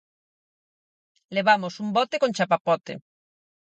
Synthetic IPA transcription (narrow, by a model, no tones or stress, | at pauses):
leβamosumbɔt̪ekont͡ʃapapɔt̪ḛ